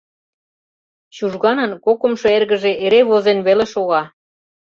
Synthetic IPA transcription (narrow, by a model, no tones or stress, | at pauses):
ɕuʒɣɑnɤnkokə̆mʃoerɣə̆ʒeʔeɾeβozenβeleʃoɣɑ